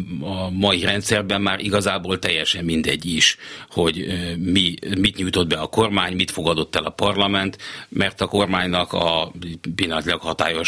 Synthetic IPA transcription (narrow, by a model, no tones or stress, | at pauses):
ɒmɒiɾɛnt̪sɛrbɛmːaːɾʔiɡɒzaːboːlt̪ɛjːɛʃɛmːind̪ɛɟːiʃho̞ɟmimit̪ɲujt̪o̞d̪bɛɒko̞rmaːɲmit̪fo̞ɡɒd̪o̞t̪ːɛlɒpɒrlɒmɛnt̪mʔɛrt̪ɒko̞rmaːɲnɒkɒpilːɒnt̪ilɒkhɒt̪a̰ːjo̞ʃ